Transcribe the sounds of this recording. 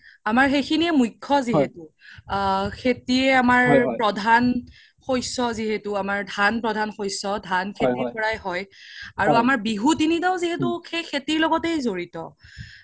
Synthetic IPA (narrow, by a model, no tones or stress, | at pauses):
amaɹxejkʰiniɛmujkʰːɔziɦetu | kʰetiɛamaɹpɹɔdʱan | xojsɔziɦetʊamaɹdʱanpɹɔdʱanxojsɔdʱankʰetɹikɔɹajhɔjaɹuamaɹbiɦutinitaʊ̃ziɦetʊkʰejkʰetiɹlɔɡɔtejzoɹitɔ̰